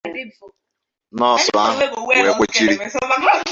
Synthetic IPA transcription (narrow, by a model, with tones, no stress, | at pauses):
nɔ˦˨sʊ˨a˦ɦʊ˦˨ɾe˨kʷe˦t͡ʃi˦ɾi˦